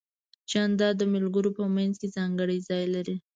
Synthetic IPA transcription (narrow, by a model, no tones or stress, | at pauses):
t͡ʃɑnd̪ɑd̪əmɪlɡəɾopəmanzkezɑŋɡəɽəjzɑjlaɾi